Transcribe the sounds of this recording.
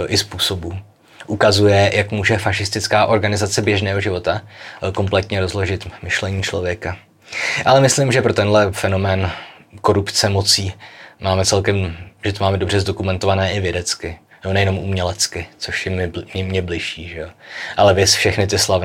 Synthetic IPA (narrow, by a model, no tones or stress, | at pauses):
ʔɪspuːso̞bu | ʔukazujɛjʔakmuːʒɛfaʃɪst̪ɪt͡skaːʔo̞ɾɡanɪzat͡sɛbjɛʒnɛːɦoʒɪvo̞t̪ako̞mplɛt̪ɲɛɾo̞zlo̞ʒɪt̪mɪʃlɛɲiːt͡ʃlo̞vjɛka | ʔalɛmɪslɪmʒɛpɾo̞t̪ɛnɦlɛfɛno̞mɛːn | ko̞ɾupt͡sɛmo̞t͡siːmaːmɛt͡sɛlkɛmʒɛt̪omaːmɛdo̞br̝ɛzdo̞kumɛnt̪ovanɛːʔɪvjɛdɛt͡skɪ | jonɛjɛno̞mʔumɲɛlɛt͡skɪt͡so̞ʃjɛmɪmɛmɲɛblɪʃiːʒɛjoʔalɛvjɛsfʃɛxnɪt̪̬ɪslavɪ